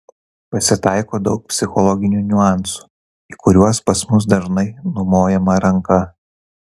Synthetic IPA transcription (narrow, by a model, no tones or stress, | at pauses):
pɐsʲɪt̪ɑˑɪkoːd̪ɒʊk̚pʲsʲɪxɔlˠɔɡʲɪnʲunʲʊɑˑnsu̥ː | iːkʊɾʲuɔspɐsmʊs̬d̪ɐʒnɐɪnʊmoːjɛmɐɾɐŋkɐ